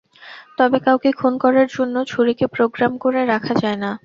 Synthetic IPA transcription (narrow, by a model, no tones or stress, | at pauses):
t̪ɔbekawkikʰonkɔɾaɾd͡ʑonːot͡ɕʰoɾikepɾoɡɾamkoɾeɾakʰad͡ʑaena